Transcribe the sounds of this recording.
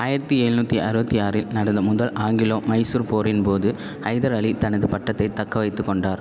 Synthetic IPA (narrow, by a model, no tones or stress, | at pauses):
aːjɪɾɐt̪ːɯeːɻnuːt̪ːiʔɐɾɯbɐt̪ːijaːɾɪlnɐɽɐnd̪ɐmʊðɐlʔaːŋɡɪloːmɐɪsuːɾpoːɾɪnpoːðɯ | ɐɪðɐɾɐɭit̪ɐnɐðɯpɐʈːɐt̪ːɐɪt̪ːɐkːɐʋɐɪt̪ːɯkːɔɳɖaːɾ